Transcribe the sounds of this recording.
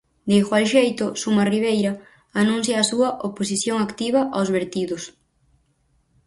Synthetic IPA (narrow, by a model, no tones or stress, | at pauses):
d̪ejxwalʃejt̪ʊsumɐriβ̞ejɾɐ | anũn̟θjaːsuɐʔopos̬iθjoŋakt̪iβ̞ɐʔawzβeɾt̪iðʊs